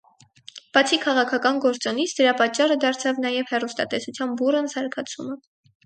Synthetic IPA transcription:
b̥ɑt͡sʰikʰɑʁɑkʰɑkɑnɡɔɾt͡sɔnit͡sʰd̪əɾɑpɑt͡ʃːɑrəd̪ɑɾt͡sʰɑvnɑjɛvhɛrust̪ɑ̰t̪ɛsut͡sʰjɑnburənsɑɾkʰɑt͡sʰumə

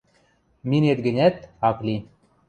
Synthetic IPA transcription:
minet̪̚ɡɘ̆nʲæt̪ɑklʲi

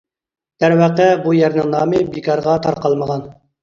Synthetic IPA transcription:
d̪̥æɾwæqɛbujæɾnɪŋnɑːmɨbikɑɾʁɑt̪ʰɑɾqɑlˠməʁɑn

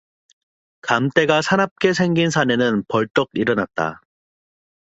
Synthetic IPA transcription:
kamt͈e̞ɡasʰanap̚k͈e̞s̬ʰe̞ŋɡinsʰane̞nɯnpʌɭt͈ʌɡ̚iɾʌnat̚t͈a̰

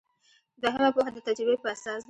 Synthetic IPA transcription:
d̪waɦamapoxad̪ət̪ad͡ʒɾʊbepəasɑsd̪

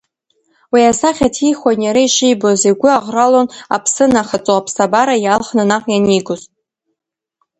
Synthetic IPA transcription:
wiasaχʲatʰiχʷanjaɾaiʃijbozeɡʷʊaʁʷralona̰pʰsɨnaχat͡sʼoapʰsabaɾajalχnɨnaqʼjaniɡʊzʼ

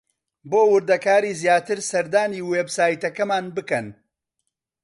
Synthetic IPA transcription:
boːwʊɾd̪ɐkaːɾiːzjaːt̪ɨɾsɐɾd̪aːniːweːbsaːjt̪ɐkɐmaːnbɨkɐn

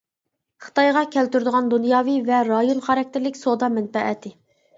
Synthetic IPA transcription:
χɨ̥t̪ɑjʁɑkʲʰælt̪yɾd̪ɨʁɑnd̪unjɑːvivɛɾɑjonχɑɾɑk̚ʲt̪ʰɪɾlɪkʲsod̪ɑmɛnfɛʔɛ̰t̪ʰɪ

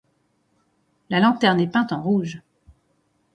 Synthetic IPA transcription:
lalɑ̃t̪ɛʁnɛpɛ̃t̪ɑ̃ʁuʒ

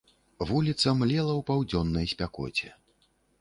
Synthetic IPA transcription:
vulʲit̪sɐmlʲɛlˠɐwpawd͡zʲɔnːɐjsʲpʲakɔ̰t͡sʲɛ

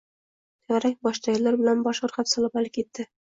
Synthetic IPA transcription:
t̪æʁæɾæjbɒʃt̪ɑjɤ̆lˠːɑɾbɘ̆lænbɒʃŏɾqɑpsɑlˠɤpælɘkit̪ːɘ

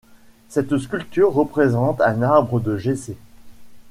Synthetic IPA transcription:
sɛt̪skʲylt̪yʁːəpχezɑ̃t̪ɛ̃naʁbʁəd̪əʒese

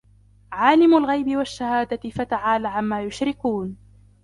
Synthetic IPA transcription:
ʕaːlɪmʊlɣajbɪwaʃːahaːd̪aɪfat̪aʕaːlaʕamːaːjʊʃɾɪkuːn

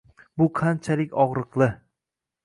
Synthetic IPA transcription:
bʊqʰant͡ʃʰalɪkʲɒʁɾɨqlˠɪ

